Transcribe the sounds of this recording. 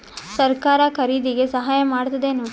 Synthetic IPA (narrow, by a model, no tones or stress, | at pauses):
sɐɾkaːɾɐkʰɐɾiːd̪iɡe̞sɐɦaːjɐmaːɽt̪ɐd̪eːnu